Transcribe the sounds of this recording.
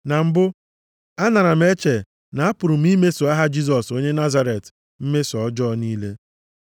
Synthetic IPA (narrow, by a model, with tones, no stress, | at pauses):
na˨m̩˦bʊ˦ | a˦na˨ɾa˨m̩˦e˦t͡ʃe˨ | na˨a˦pʊ˨ɾʊ˨m̩˦i˦me˦so˨a˦ɦa˦d͡ʒi˦s̬ɔ˨so˦ɲe˦na˦za˦ɾe˨t | m̩˦me˦sɔ˨˦d͡ʒɔ˦niː˦le˦